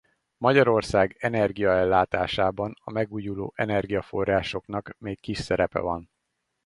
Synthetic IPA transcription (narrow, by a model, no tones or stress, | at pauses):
mɒɟɒɾo̞rsaːɡɛnɛrɡijɒɛlːaːt̪aːʃaːbɒnɒmɛɡuːjulo̰ːʔɛnɛrɡijɒfo̞rːaːʃo̞knɒkmeːkːiʃsɛɾɛpɛ̰vɒn